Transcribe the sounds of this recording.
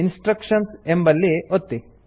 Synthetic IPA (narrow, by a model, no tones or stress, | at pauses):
insʈɾɐkʂɐnsembɐlːiot̪ːi